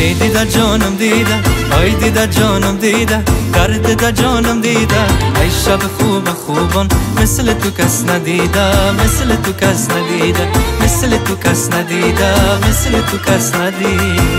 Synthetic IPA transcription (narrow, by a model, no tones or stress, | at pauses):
ejd̪id̪ad͡ʒoːnɐmd̪id̪aɐjd̪id̪ɐd͡ʒonɐmd̪iːd̪ɐɡɐɾd̪ed̪ɐd͡ʒoːnɐmd̪iːd̪aɐjʃabexuːbɐxuːbɔnmɪslet̪ukɐsnɐd̪iːd̪amɪslet̪ukɐsnɐd̪id̪ɐmɪslet̪ukɐsnɐd̪iːd̪amɪslet̪ukɐsnɐd̪iːd̪